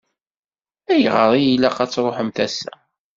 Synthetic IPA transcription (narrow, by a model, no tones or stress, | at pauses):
æjʁəɾˤijilːæqæt͡sːɾˤoħəmθæsæ̰